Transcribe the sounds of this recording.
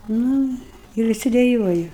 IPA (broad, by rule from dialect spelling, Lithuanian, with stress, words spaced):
ˈnʊ ɪr ʋʲɪˈsʲɪ dʲɛˈjuɔjɪ